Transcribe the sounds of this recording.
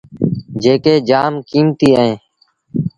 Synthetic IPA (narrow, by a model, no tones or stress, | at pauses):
d͡ʒeːkeːd͡ʒaːmkiːmt̪iːəẽː